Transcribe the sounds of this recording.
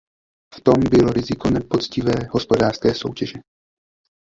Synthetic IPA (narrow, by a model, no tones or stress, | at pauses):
ft̪o̞mbɪlo̞ɾɪzɪko̞nɛpo̞t͡scɪvɛːɦo̞spo̞daːrskɛːso̞̰wcɛʒɛ